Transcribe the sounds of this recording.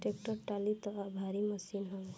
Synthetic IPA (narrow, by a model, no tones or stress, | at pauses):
ʈekʈəɾʈalit̪ɔabʱaɾiməsinɦɔ